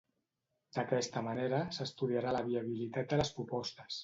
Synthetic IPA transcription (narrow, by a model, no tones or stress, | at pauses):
d̪̥əkɛst̪əməneɾəsəst̪uðiaɾaləβ̞iəβ̞ilit̪at̪̚d̪ələspɾupɔst̪əs